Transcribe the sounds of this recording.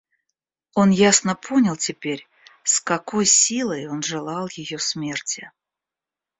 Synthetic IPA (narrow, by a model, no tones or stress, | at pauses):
o̞njasnəpʰonʲɪlˠtʲɪpʲeɾʲ | skɐko̞jsʲilˠəjo̞nʐɨlˠɑlˠjɪjosmʲe̞rtʲɪ